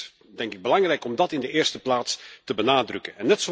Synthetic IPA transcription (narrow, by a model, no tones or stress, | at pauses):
dɛŋkɪɡ̚bəlɑŋrɛjkɔmdɑtɪndəʔɪːrstəplaːtstəbənaːdrɵkənɛnːɛtso